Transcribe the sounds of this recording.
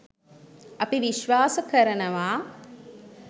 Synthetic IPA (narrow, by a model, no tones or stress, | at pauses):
ɐpiʋiʃʋaːsəkəɾənəʋaː